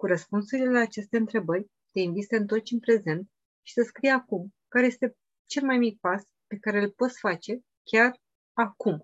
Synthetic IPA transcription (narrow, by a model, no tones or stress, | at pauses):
kuɾəspunsuɾile̞laːt͡ʃe̞st̪e̞ɨnt̪ɾe̞bərʲ | t̪e̞invit̪səɨnt̪o̞rt͡ʃʲɨnpɾe̞ze̞nt̪ | ʃi̥səskɾijakumkaɾe̞je̞st̪e̞ | t͡ʃe̞lmajmik̚pas | pe̞kaɾe̞ɨlpo̞t̪sfat͡ʃe̞ | kʲar | akum